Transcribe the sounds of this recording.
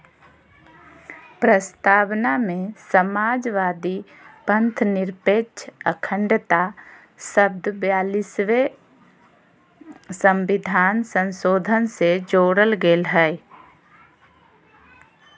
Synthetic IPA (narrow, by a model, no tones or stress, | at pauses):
pɾəst̪aːwnamẽsəmaːd͡ʒʋaːd̪i | pə̃nt̪ʰnɪɾpeːt͡ʃʰəkʰə̃ɳɖt̪a | səb̚d̪ʱbjaːlɪsʋe | sə̃mʋɪd̪ʱaːnsə̃nsoːd̪ʱənsed͡ʒoːɽəlɡeːlɦɛ